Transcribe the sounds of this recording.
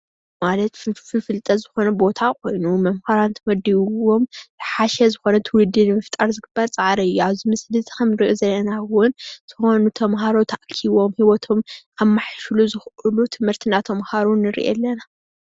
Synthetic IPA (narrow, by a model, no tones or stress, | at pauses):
malɐt̪ffɨfɨlt̪ʼɐzɨxo̞nɐbo̞t̪ʰakʷʰo̞jnumɐmhaɾant̪ʰɐwɐd̪iwo̞mzɨħaʃɛzɨxo̞nɐt̪ʰɨwʊd̪ːɨnɨmɐft̪ʼaɾzɨɡɨbːɐɾt͡sʼaʕɾɐɨjːuaβzimɨslɨt̪ʼkɐmɨɾiʔozɐlːɐnawʊntʰɨxonut̪ʰɐmɦaɾot̪ʰaʔkʰiβo̞mhiwɔt̪ʰo̞mʔaβmːaħʃluzɨxʔulut̪ʰɨmhɨɾt̪ʰɨnːat̪ʰɐmhaɾunɨɾḭʔḛlːɐna